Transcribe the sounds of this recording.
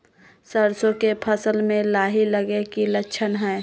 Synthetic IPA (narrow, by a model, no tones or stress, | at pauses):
səɾsõkepʰəsəlmẽlaːɦiləɡekilətːʃʰənɦɛː